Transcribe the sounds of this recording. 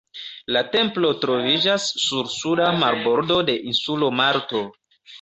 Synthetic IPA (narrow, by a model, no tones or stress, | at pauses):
late̞mplo̞tɾo̞vid͡ʒasːuɾsudamaɾbo̞ɾdo̞de̞ʔinsulo̞maɾto̞